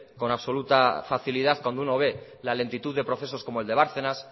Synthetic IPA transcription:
ko̞naβso̞lut̪afaθilið̞aθkwand̪ouno̞β̞e̞ | lale̞nt̪it̪uðːe̞pɾo̞θe̞s̬o̞sko̞moeld̪e̞βaɾθenas

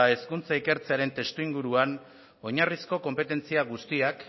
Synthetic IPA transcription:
e̞skunt͡saike̞ɾt͡se̞aɾe̞nt̪e̞st̪uiŋɡuɾuan | o̞ɲarisko̞ko̞mpe̞t̪e̞nt͡siaɣust̪iak

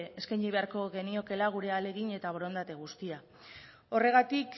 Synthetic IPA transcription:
eskajɲiβ̞e̞aɾko̞ɣe̞nio̞ke̞laɣ̞uɾe̞ale̞ɣ̞iɲe̞t̪aβo̞ɾo̞nd̪at̪e̞ɣ̞ust̪ia | o̞re̞ɣ̞at̪ik

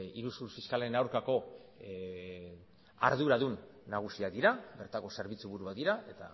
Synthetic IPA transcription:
iɾusuɾfiskalenawɾkako̞ | a̰ɾðuɾaðunːaɣ̞usiad̪iɾaβe̞ɾt̪ako̞se̞ɾβ̞it͡suβuɾuβad̪iɾae̞t̪a̰

